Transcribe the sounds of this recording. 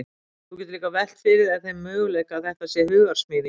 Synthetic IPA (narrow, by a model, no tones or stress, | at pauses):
θucɛt̪ɾliːkavɛl̥t̪fɪɾɪðaðθejmːœːɣlɛjhkaðθɛht̪asjɛhʏɣɣaɾ̥smɪːði